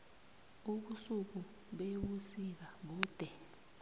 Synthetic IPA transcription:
uɓusuk̬u | ɓewusik̬aɓuːd̥ʱɛ

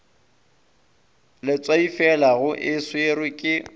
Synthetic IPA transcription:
lɪt͡sʼwaifɛlaɣʊʔɪsweɾɪkʼɪ

